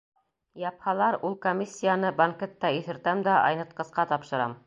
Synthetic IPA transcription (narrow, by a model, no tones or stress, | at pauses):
jɑphɑlˠɑɾulˠkomʲːisʲːijanɤbaŋket̪ːɑiθɘ̆ɾt̪æmd̪æʔɑ̰jnɤ̆t̪̚qɤ̆sqɑt̪ɑpʃɤ̆ɾɑ̰m